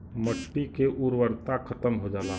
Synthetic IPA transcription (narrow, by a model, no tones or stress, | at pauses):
məʈːikeʔuɾwəɾt̪akʰət̪əmɦod͡ʒaːla